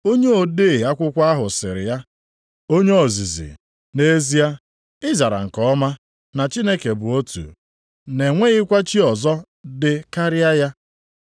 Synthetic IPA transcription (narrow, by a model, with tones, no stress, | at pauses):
o˦ɲe˦o˨de˦˨a˦kʷʊ˦kʷa˦ɦʊ˨sɪ˨ɾɪ̰˨ja˦ | o˦ɲe˦o˨zi˨zḭ˨ | ne˦zi˦a˦ | ɪ˦za˨ɾa̰˨ŋ̩˨kɔ˦ma˦ | na˨t͡ʃi˦ne˦ke˨bʊ˨o˦tṵ˨ | ne˨ŋʷe˦ɣɪ˦kʷa˦t͡ʃi˦ɔ˨zɔ˦ | dɪ˨ka˦ɾɪ˦a˦ja˦